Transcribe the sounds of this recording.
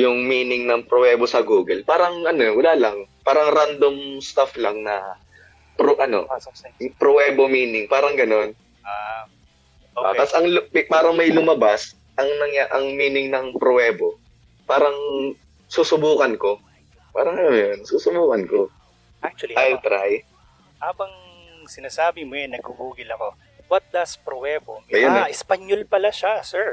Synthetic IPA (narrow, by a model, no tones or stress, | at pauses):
jʊŋmiːnɪŋnɐŋpɾowɛːbosɐɡuːɡɛlpaːɾɐŋʔɐnowɐlaːlɐŋpaːɾɐŋɾand̪omst̪aflɐŋnɐ | pɾoʔɐno̞̰jʊpɾowɛːbomiːnɪŋpaːɾɐŋɡɐno̞n | at̪asɐŋlʊpaːɾɐŋmɐjlʊmɐbas | ʔɐŋnɐŋjaʔɐŋmiːnɪŋnɐŋpɾowɛːbo | paːɾɐŋ | suːsʊbuːkɐnko̞ | paːɾɐŋɐmjonsuːsʊbuːkɐnko | ʔak̚t͡ʃwɐliʔajlt̪ɾaj | haːbɐŋ | sɪnaːsaːbɪmoɛnɐɡ̥̚hʊhuːɡɪlɐko̞ | wɐt̪̚d̪ɐspɾowɛbomɐjʊnʔɪspɐɲolpɐlaʃasɛɹ